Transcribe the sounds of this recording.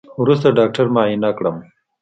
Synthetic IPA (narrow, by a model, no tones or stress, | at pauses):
wɾust̪aɖaːk̚ʈɐɾmaːinakɽəm